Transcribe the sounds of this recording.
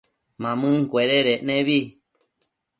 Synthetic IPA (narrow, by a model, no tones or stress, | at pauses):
mãmɨ̃ŋkʷeɾeɾenẽβi